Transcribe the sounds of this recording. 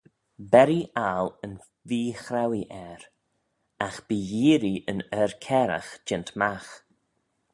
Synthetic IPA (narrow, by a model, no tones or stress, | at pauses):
bɛɾiʔalən | viːxɾawiʔɛɾ | axb̥iːjiːɾiənɛɹkʰɛɾa̰xd͡ʒɪntmax